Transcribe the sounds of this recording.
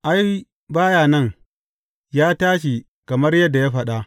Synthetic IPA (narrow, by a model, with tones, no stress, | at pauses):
ʔa˦j | baː˦jaː˨nɐ˦˨ŋ | jaː˦taː˦ʃi˨ | kɐ˨mɐ˦rjɐ˦dːa˨jaː˦ɸɐ˨ɗa˨ʔ